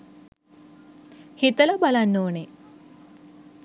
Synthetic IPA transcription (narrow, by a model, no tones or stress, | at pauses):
hit̪əlɐbɐlɐnːoːne